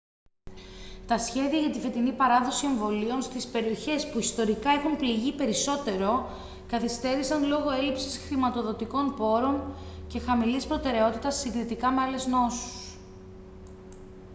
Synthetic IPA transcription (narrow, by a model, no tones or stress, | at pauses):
t̪ɐsçe̞ðiɐʝɐt̪ife̞t̪inipɐɾɐðo̞sie̞ɱvo̞lio̞nst̪ispe̞ɾio̞çe̞spuist̪o̞ɾikɐe̞xunpliʝipe̞ɾiso̞t̪e̞ɾo̞ | kɐθist̪e̞ɾisɐnlo̞ɣo̞e̞lipsi̥sxɾimɐt̪o̞ðo̞t̪iko̞npo̞ɾo̞nce̞xɐmilispɾo̞t̪e̞ɾe̞o̞t̪it̪ɐsːiŋɡɾit̪ikɐmeɐle̞zno̞su̥s